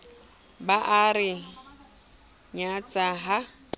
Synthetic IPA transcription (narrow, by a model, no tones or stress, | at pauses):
baʔaɾɪ | ɲat͡sʼaɦa